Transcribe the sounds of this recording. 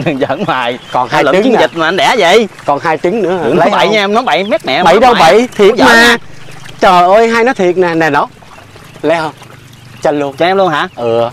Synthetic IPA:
ɗɨ˨˩ŋzə˧˥˩nwaː˨˩jkɔ˨˩nhaː˧jlːt͡ɕi˨˦ŋ˦˨zi˨˩t̚maː˨˩ʔnɗɛ˧˩zə̰˧˨jkɔ˨˩nɦaː˧jt͡ɕï˨˦ŋnɨ̰˧˥ə˨nlə˨˦ɓə˧˨˩jɲaː˧nɔ˨˦ɓə˧˩jmɛ˦˥t̚nɛ̰˧˨ɓə˧˩jɗə˧wɓə˧˨˩jt̪ʰi˨˩əmaː˨˩ | t͡ɕəː˨˩ʔəː˧jɦaː˧jnɔ˨˦jt̪ʰi˨˩ət̚naː˨˩nɛ˨˩nɔ˨˦ | lə˨˦hə˧ŋ͡m | t͡ɕə˧nlu˧ənt͡ɕɔ˧˨ɛ˧mlu˧ənɦa̰ː˨˧˥ʔɨ˨˩ə

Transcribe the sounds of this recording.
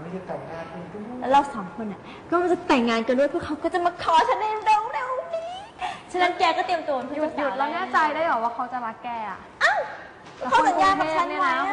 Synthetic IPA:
ma˥˩t͡ɕa˧˩t̪ɛ˨˩ŋːaː˧˩nku˧lɾa˧wsaː˩˦mkʰu˧nʔa˨˩ | kɔː˥˩ma˧˥ŋt͡ɕa˨˩t̪ɛ˨˩ŋːaː˧nka˧ndu˥˩jpʰɯ˥˩kʰa˦˥wkɔː˥˩t͡ɕa˨˩maː˧kʰɔː˧˩t͡ɕʰa˦˥nda˧˩ɾe˧wɾe˧wniː˧˥ | t͡ɕʰa˧na˦˥nkɛː˧kɔː˥˩t̪i˧əmt̪u˧˩˧juː˨˩ju˨˩lɛ˧˦˥naː˥˩t͡ɕa˧jdaː˥˩jɔː˨˩waː˥˩kʰa˦˥wt͡ɕa˨˩ɾa˦˥kːɛː˧˩a̰˨˩ʔʔa˧˨˩ | kʰa˦˥wsa˨˦jaː˧˩˨eː˥˩t͡ɕʰa˦ni˥˩˨a˧˦˥

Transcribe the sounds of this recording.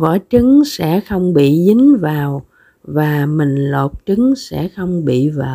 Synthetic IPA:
vɔ̰˧˩t͡ɕɨ˨˦ŋsɛ̰˧˥xə˧wŋ͡mɓḭ˧˨zi˨˦ŋ̟vaː˨˩w | vaː˨˩mï˨˩ŋ̟lo˨˩p̚t͡ɕɨ˨˦ŋsɛ̰˧˥xə˧wŋ͡mɓḭ˧˨vaː˨˩

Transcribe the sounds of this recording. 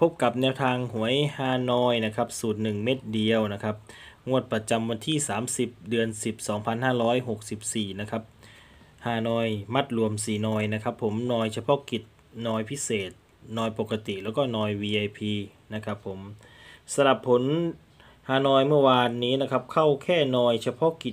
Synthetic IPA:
pʰo˦˥p̚ka˨˩p̚nɛː˧wt̪ʰaː˧ŋhu˩˦əjhaː˧˩nɔː˧jna˦˥kʰa˦˥p̚suː˨˩t̪̚nɯ˨˩ŋme˦˥˩t̪̚di˧əwna˦˥kʰa˦˥p̚ŋu˧˥˩ət̪̚pɾa˧t͡ɕa˧mwa˧nt̪ʰiː˥˩saː˩˦msi˨˩p̚dɯ˧ənsi˨˩p̚sɔː˩˦ŋpʰa˧nhaː˥˩ɾɔː˦˥jɦo˨˩k̚si˨˩p̚siː˨˩na˦˥kʰa˦˥p̚ | haː˧˩nɔː˧jma˥˩t̪̚ɾu˧əmsiː˨˩nɔː˧jna˦˥kʰa˦˥pʰːo˩˦mnɔː˧jt͡ɕʰa˧pʰɔ˦˥ki˨˩t̪̚ | nɔː˧jpʰi˦˥seː˨˩t̪̚ | nɔː˧jpo˨˩ka˧t̪i˨˩ʔlɛː˦˥wkɔː˥˩nɔː˧jwiː˧ʔa˧jpʰiː˧ | na˦˥kʰa˦˥pʰːo˩˦m | sa˧ɾa˨˩pʰːo˩˦n | haː˧˩nɔː˧jmɯ˥˩ɐwaː˧nːiː˦˥na˦˥kʰa˦˥p̚kʰa˥˩wkʰɛː˥˩nɔː˧jt͡ɕʰa˧pʰɔ˦˥˨ki˨˩t̪̚

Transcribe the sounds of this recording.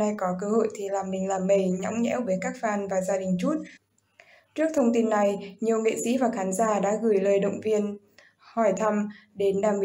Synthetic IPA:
a˧jkɔ˨˦kəː˧ho̰˧˨jt̪ʰi˨˩laː˨˩mːï˨˩ŋ̟laː˨˩mːə˧˩jɲɔ̰˧˥wŋ͡mɲɛ̰˧˥wvəː˨˦jkaː˦˥k̚faː˧nvaː˨˩zaː˧ɗï˨˩ŋ̟t͡ɕu˦˥t̚ | t͡ɕɨ˦˥ək̚t̪ʰə˧wŋ͡mt̪i˧nːa˨˩jɲi˨˩əwŋḛ˧˨sḭ˧˥vaː˨˩xaː˨˦nzaː˧˩ɗa̰ː˧˥ɣɨ˨˧˩jləː˨˩jɗə̰˧˨wŋ͡mvi˧ən | hɔ˧˩jt̪ʰa˧mɗe˨˦nɗaː˨˩ŋɓi˧

